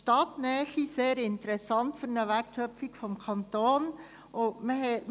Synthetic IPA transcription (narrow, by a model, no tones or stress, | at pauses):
tɑt̪nɛːʃiseːɾɪnt̪əɾɛsɑntfyɾnəʋærtʃœpfikfɔmkʰɑnt̪oːn | ʔoməɦɛ